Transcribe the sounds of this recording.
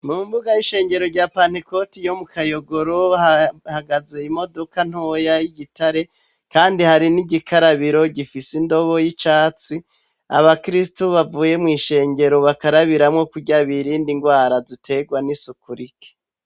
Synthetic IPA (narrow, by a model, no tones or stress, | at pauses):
muːmbuɡajiʃe̞ːɲɟe̞ɾoɾɟaːpaːn̥hiko̞tijo̞mukʰajo̞ɡo̞ɾoahaɡaze̞imo̞do̞kan̥ojajiɟitʰaɾe̞ | kaːndihaɾiniɟikʰaɾaβiɾo̞ɟifisindo̞βojit͡ʃaːt͡si | a̰βakɾistoβavuːje̞mŋiːʃe̞ːɲɟe̞ɾo̞βakaɾaβiɾamŋo̞kuɟaβiɾiːndiŋɡwaːɾazitʰe̞ɡwanisukuɾikʰe̥